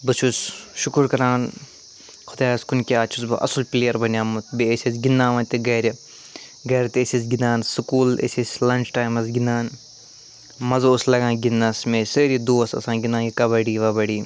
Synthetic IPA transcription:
bɨt͡ʃʰusʃukuɾkɐɾãːn | xʰʊd̪aːɐskunkiaːt͡ʃʰusbɐʔɐ̰sulpleːjɐɾbɐnʲjaːmut̪beesʲisɡinːãːʋɐ̃nt̪ʲeɡɐːɾʲɐ | ɡɐːɾɐt̪esʲisɡinaːnsukuːlḛsʲisʲlɐnt͡ʃʈaːjmɐs̬ɡinaːn | mɐzoslɐɡãːɡinːɐsmeːseːɾid̪oːɐsɐ̰sãːɡinaːjikɐbɐɽiːʋɐbɐɽiː

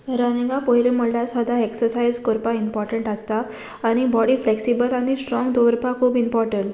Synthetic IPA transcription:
ɾanẽŋɡapoɦileməɭlasʋad̪ʱaeksəɾsajzkɔɾpaimpɔɾʈəɳʈast̪aː | ɽ̃ibɔɽiːfleksibəlaɽ̃isʈɾɔ̃ŋɡd̪oʋəɾpakʰuːbimpɔɾʈəɳʈ

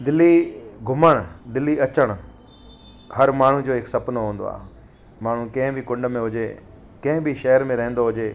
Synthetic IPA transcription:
d̪ɪlːiɡʱʊməɽ̃d̪ɪlːiɐt͡ɕəɽ̃̆ | hɐɾmaːɳ̤ũd͡ʑoːɦɪksɐpnoɦũːnd̪o̰a̰ːɦ | maːɳ̤ukɐ̃ɦɪ̃bʱikʊ̃ɳɖəmẽɦʊd͡ʑe | kɐ̃ɦɪ̃bʱiʃɐɦəɾmẽɾɐɦə̃nd̪oɦʊd͡ʑeː

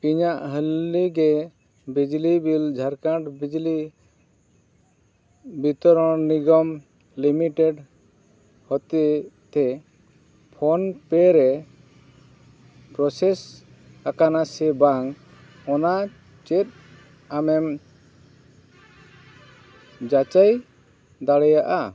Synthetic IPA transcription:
iɲaʔɦəlːiɡɛ | bid͡ʒlibild͡ʒʱaɾkaʈbid͡ʒli | bit̪ɔɾɔ̃niɡɔm | limiʈeɖ | hɔt̪it̪ʰɛ | pʰɔnpɛɾɛ | pɾɔsɛs | akanasɛbaŋ | ɔna | t͡ʃɛt̪̚ | amɛm | d͡ʒat͡ʃaj | d̪aɽɛjaʔa

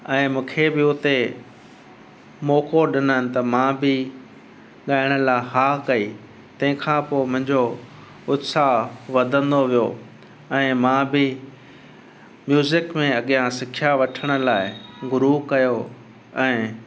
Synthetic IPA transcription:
ɛ̃ːmũːkʰebɪʊt̪e | mɔːkoɗɪnəənɪ̆t̪ɐmãbɪ | ɠaːɪɽ̃ə̆laːɦaːkɐiː | t̪ɐ̃ɦɪ̃kʰãːpoːɪmʊ̃ɦɪ̃ɲd͡ʑo | ʊt̪saɦʋɐd̪ʱə̃nd̪oʋijo | ɛ̃ːmãːbɪ | mjuːzɪkmẽɐɠɪjãsɪkʰjaʋɐʈʰəɽ̃ə̆laːɪɡʊɾukɐjo | ɛ̃ː

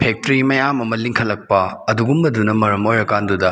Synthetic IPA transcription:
pʰek̚tɾimɐjamɐmɐliŋkʰɐlːɐk̚pɐɐduɡumbɐdunɐmɐɾɐmojɾɐkandudɐ

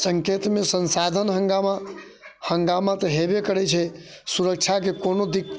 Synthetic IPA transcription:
səŋket̪mesənsad̪ʱənɦəŋɡama | həŋɡamat̪əɦebekəɾɛt͡ʃʰɛ | suɾək̚t͡ʃʰakekonod̪ik

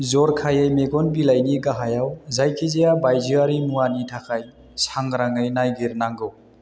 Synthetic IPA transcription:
zɔɾkʰajajmeɡɔnbilajniɡaɦajawzajkʰizejabajziaɾimuwanitʰakʰaj | saŋɡɾaŋajnajɡiɾnaŋɡɯw

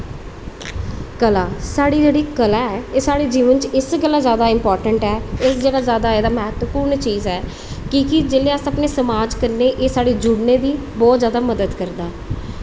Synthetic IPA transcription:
kəlaːsaːɽiːd͡ʒeːɽiːkəlaːɛeːsaːɽeːd͡ʒiːʋənt͡ʃɪsɡəlːaːzjaːd̪aːɪmpɔːɾʈəɳʈɛːɪsd͡ʒeːɽaːzjaːd̪aːeːd̪aːmɛɦət̪ʋəpuːɾɳt͡ʃiːzɛː | kiːkɪd͡ʒeːleːəsapneːsəmaːd͡ʒkəɾneːʔeːsaːɽeːd͡ʒʊɽneːd̪iː | bɔːt̪zjaːd̪aːməd̪əd̪kəɾd̪aɛ

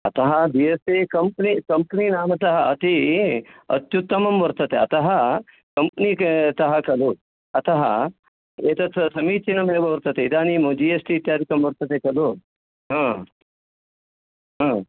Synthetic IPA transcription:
ɐt̪ɐɦɐbiest̪ekɐmpnikɐmpninaːmɐt̪ɐɦɐɐt̪i | ɐ̰t̪ːjut̪ːɐmɐmʋɐɾt̪ɐt̪eɐt̪ɐɦɐ | kɐmpnit̪ɐɦɐkɐloː | ɐt̪ɐɦɐ̰ | eːt̪ɐt̪ʰɐsɐmiːt͡ʃinɐmebɐʋɐɾt̪ɐt̪eid̪aːniːmõd͡ʒiːesʈit̪aːɾikɐmʋɐɾt̪ɐt̪ekɐlo | ɦɐ̃ː | ɦɐ̃ː

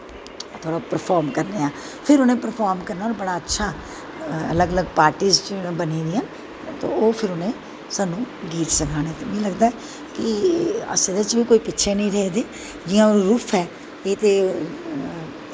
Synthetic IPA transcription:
t̪ʰoːɽaːpəɾpʰaːɾmkəɾneːaː | pʰɪɾʊnẽːpəɾpʰaːɾmkəɾnaɔːɾbəɽaːətːʃʰaː | ə̰ləɡələɡpaːɾʈiːzt͡ʃbəniːd̪iːɦən | t̪o̰ːoːpʰɪɾʊnẽː | saːnːũːɡiːɾsəkʰaːneːt̪eːmɛ̃ːləɡd̪aːɛ | kɪə̰sed̪ət͡ʃbiːkoːiːpɪtːʃʰeːnəĩːɾɛɦeːd̪eː | d͡ʒɪːãːɾuːpʰɛː | eːt̪eː

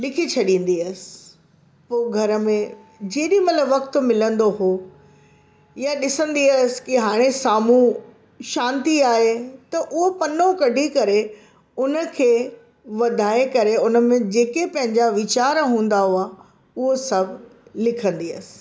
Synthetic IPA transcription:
lɪkʰit͡ɕʰɐɗĩːn̆d̪iəsɪ̥ | poːɡʱɐɾə̆mẽ | d͡ʑeːɗimɐt̪ləbʋɐkt̪ʊmɪlə̃nd̪oɦo | jaɗɪsə̃nd̪iəsɪ̥kɪɦaːɽ̃esaːmũ | ʃãːnt̪iaːɦet̪ɐʔʊɦopɐnokɐɖʱikɐɾe | ʊnə̆kʰeː | ʋɐd̪ʱaːekɐɾeʊnə̆mẽd͡ʑeːkepɐ̃ɦɪ̃ɲd͡ʑaʋɪt͡ɕaːɾɦũːn̆d̪aɦoa | ʊɦosɐbʱlɪkʰə̃nd̪iəsɪ̥̆

